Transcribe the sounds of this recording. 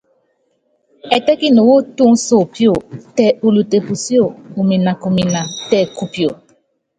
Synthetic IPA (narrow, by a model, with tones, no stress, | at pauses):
ɛ˨tɛ˦ki˦no˨wo˦tu˦ŋ˦so˨pjo˦˨tɛ˨ʔu˨lu˨te˨pu˨si˦o˦˨u˨mi˨na˨ku˨mi˨na˨tɛ˨ku˦pjo˨